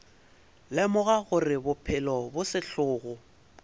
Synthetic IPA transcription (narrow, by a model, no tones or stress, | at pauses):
lɪmʊɣaɣʊrɪbʊpʰɪlɔbʊsɪɬʊːɣʊ